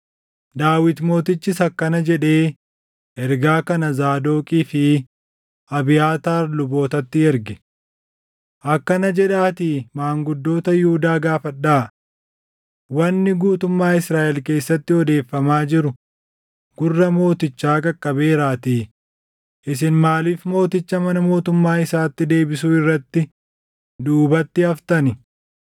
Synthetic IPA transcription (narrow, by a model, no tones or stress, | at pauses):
d̪aːwɪt̪mo̞ːt̪ɪt͡ʃːɪsɐkːɐnɐd͡ʒɛᶑe̞ː | ʔɛɾɡaːkɐnɐzaːd̪o̞ːkʼiːfɪ | ʔɐbɪjaːt̪aːɾlʊbo̞ːt̪ɐt̪ːɪɛɾɡɛ̥ | ʔɐkːɐnɐd͡ʒɛᶑaːt̪ɪmaːŋɡʊd̪ːo̞ːt̪ɐjʊhʊd̪aːɡaːfɐᶑːaː | wɐnːɪɡuːt̪ʊmːaːɪsɾaːʔɛlke̞ːsːɐt̪ːɪɔd̪e̞ːfːɐmaːd͡ʒɪɾʊ | ɡ̥ʊrːɐmo̞ːt̪ɪt͡ʃːaːkʼɐkʼːɐbe̞ːɾaːt̪iː | ʔɪs̬ɪnmaːliːfmo̞ːt̪ɪt͡ʃːɐmɐnɐmo̞ːt̪ʊmːaːɪsaːt̪ːɪd̪e̞ːbɪsuːɪrːɐt̪ːɪ | d̪uːbɐt̪ːɪɐft̪ɐnɪ